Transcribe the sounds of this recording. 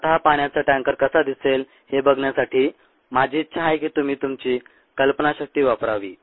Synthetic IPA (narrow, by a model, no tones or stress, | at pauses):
t̪ɦapaɳ̃jat͡səʈãŋkəɾkəsad̪isel | hebəɡɳjasaʈʰiː | mad͡ʑʱiːtːɕʰaɦajkiːt̪um̤iːt̪umt͡ɕiː | kəlpənaɕək̚t̪iːʋapɾaʋḭː